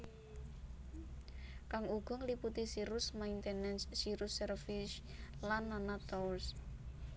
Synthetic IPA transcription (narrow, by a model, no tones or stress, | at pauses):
kaŋuɡ̥ɔ̤ŋliput̪isiɾʊsmaint̪ɛnɛnsiɾusɛrfis | lanːanat̪ɔuls